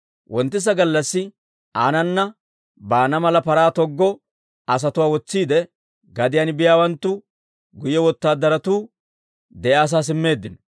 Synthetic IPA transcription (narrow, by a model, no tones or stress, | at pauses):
wʔɔnt̪ːɪs̬ɐɡɐlːɐsːɪ | aːnɐnːɐ | baːnɐmɐlɐpɐɾaːt̪ɔɡːɔ | ɐs̬ɐt̪ʊwaːwɔt͡sːiːd̪ɛ | ɡɐd̪ɪjanbɪjaːwɐnt̪ːʊ | ɡʊjɛwɔt̪ːaːd̪ɐɾɐt̪uː | d̪ɛʔaːs̬aːs̬ɪmːe̞ːd̪ːɪnɔ̥